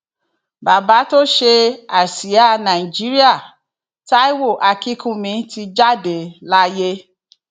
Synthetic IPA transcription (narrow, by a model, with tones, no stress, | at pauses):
ba˨ba˨˦to˦ʃe˧a˨si˨˦a˦nã˨i˨d͡ʒi˨˦ɾi˦a˦˨ | ta˦i˦wo˦˨ʔa˧ki˦kũ˦mĩ˧˦ti˧d͡ʒa˦de˨la˦je˦